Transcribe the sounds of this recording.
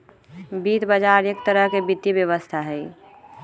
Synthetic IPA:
bit̪bəd͡ʒaɾjek̚t̪əɾəɦkebit̪ːibjəʋəst̪ʰaɦɛj

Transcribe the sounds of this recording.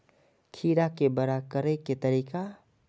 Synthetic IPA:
kʰiːɾakebəɾakəɾeket̪ɐɾiːka

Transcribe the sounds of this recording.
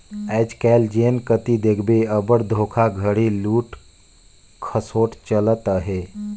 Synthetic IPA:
ɛːd͡ʒkɛld͡ʒeːnkət̪id̪ekʰbeəbəɽd̪ʱoːkʰaɡʱəɽiluːʈ | kʰəsoːʈt͡ʃələt̪əɦe

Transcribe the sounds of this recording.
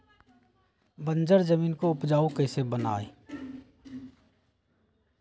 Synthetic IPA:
bə̃nd͡ʒəɾd͡ʒəmiːnkoʊpd͡ʒaːukəɪsebəna̰ːe

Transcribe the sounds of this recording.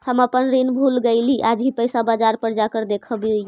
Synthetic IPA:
həməpənɾinbʱulɡeɪliʔad͡ʒɦipəjsabad͡ʒaɾpəɾd͡ʒakəɾd̪ekʰəbi

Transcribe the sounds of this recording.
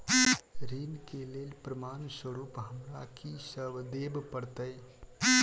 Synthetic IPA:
ɾiːnkeleːlpɾəmaːnswəɾuːpɦəmɾakisəbd̪eːbpəɽt̪əj

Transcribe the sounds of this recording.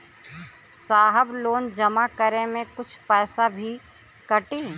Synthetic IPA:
saːɦəbloːnd͡ʒɐmakəɾemẽkʊt͡ʃʰpɛːsabʱi | kɐʈiː

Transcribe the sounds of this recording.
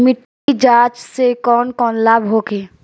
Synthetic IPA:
mɪʈː | id͡ʒaːt͡ʃsekɔːnkɔːnlabʱɦoːkeː

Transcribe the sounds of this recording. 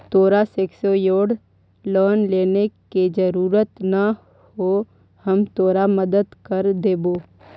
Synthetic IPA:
t̪oːɾaseːksojoːɽ | ləːnleːneked͡ʒəɾuːɾət̪nɐ | ho | həmt̪oːɾaməd̪əd̪kəɾd̪eːboː

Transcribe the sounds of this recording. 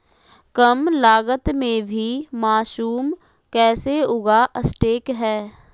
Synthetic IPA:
kəmlaːɡət̪mẽbʱimaːʃuːm | kɛːseʊɡaʔəsʈeːkɦɛː

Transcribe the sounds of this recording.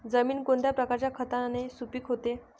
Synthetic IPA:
d͡zəmiːnkond̪ʱjapɾəkaɾt͡ɕjakʰət̪anesupiːkɦot̪e

